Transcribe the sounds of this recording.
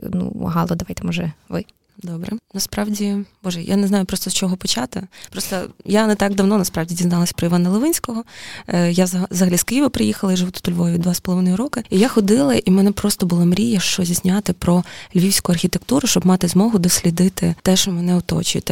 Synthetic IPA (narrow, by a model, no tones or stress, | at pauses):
nṵɦɑlˠɔd̪ɐʋajt̪ɛmɔʒɛʋɪ | d̪ɔbɾɛ̰nɐspɾɑwdʲib̥ɔʒɛja̰neznɑjʊpɾɔst̪ɔst͡ʃɔɦɔpɔt͡ʃɑt̪ɪ̰pɾɔst̪ɔ̰janɛt̪ɑɡd̪ɐwnɔnɐspɾɑwdʲidʲiznɑlˠɐsʲɐpɾɔɪʋɑnɐlˠɪʋɪnʲsʲkɔɦɔjazzɐɦɐlʲiskɪiʋɪpɾɪjixɐlˠɐiʒɪʋʊt̪ʊ̥t̪ʊlʲʋɔjʊʋʲid̪d̪ʋaspɔlˠɔʋɪnɔjɪɾɔkɪijaxɔd̪ɪlˠɐʔimɛnɛpɾɔst̪ɔbʊlˠamɾʲijɐʃt͡ʃɔzʲisʲnʲat̪ɪpɾɔlʲʋʲiwsʲkʊɐrxʲit̪ekt̪uɾʊʃt͡ʃɔbmɑt̪ɪzmɔɦʊd̪ɔsʲlʲid̪ɪt̪ɪt̪ɛʃt͡ʃɔmɛnɛʊt̪ɔ̰t͡ʃt̪